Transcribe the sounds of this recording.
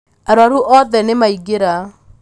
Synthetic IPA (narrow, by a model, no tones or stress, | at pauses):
aɾwaɾuʔɔðɛnemaiɡeɾa